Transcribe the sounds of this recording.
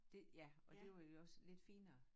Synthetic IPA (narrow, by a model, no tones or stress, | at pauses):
d̥e̝jæɒ̽d̥e̝ʋɑjoɒ̽sle̝d̥fḭːnɐː